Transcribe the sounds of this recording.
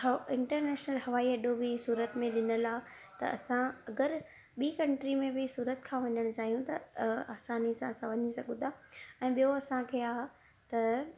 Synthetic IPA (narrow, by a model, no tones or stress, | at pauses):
ɪ̃ɳʈəɾneːʃnəlɦɐʋaːiɐɗobɪsuːɾət̪mẽɗɪnəlaː | t̪ɐ̰ɐ̰sãɐɡəɾ | ɓiːkɐ̃ɳʈɾimẽbʱɪsuːɾət̪kʰãːʋɐɲəɽ̃ʊt͡ɕaːɦijũt̪ɐaːsaːnisãɐsãʋɐɲisɐɡʊ̃d̪ʱaɛ̃ːɓijoɐsãkʰeːaːɦ | t̪ɐ